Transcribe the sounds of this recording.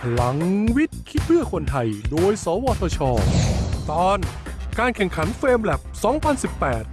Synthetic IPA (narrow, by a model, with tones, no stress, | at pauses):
la˩˦ŋwi˦˥t̪̚kʰi˦˥t̪̚bɯ˥˩ɐkʰo˧nt̪ʰa˧jdoː˧jsɔː˩˦wɔː˧t̪ʰɔː˧t͡ɕʰɔː˧t̪ɔː˧nkaː˧nkʰɛ˨˩ŋkʰa˩˦nfeː˧mlɛ˨˩p̚sɔː˩˦ŋpʰa˧nsi˨˩pːɛː˨˩t̪̚